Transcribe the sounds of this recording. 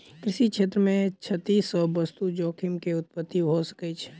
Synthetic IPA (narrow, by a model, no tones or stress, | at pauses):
kɾɪʃikʃʰeːt̪ɾəmẽt͡ʃʰət̪ːiːsɔbəst̪ud͡ʒoːkʰimkeʊt̪̚pət̪ːiɦosə̥kət͡ʃʰ